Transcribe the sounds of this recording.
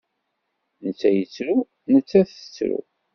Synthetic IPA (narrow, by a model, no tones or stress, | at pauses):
nət͡sːæjət͡sːɾu | nət͡sːæθə̥t͡sːɾṵ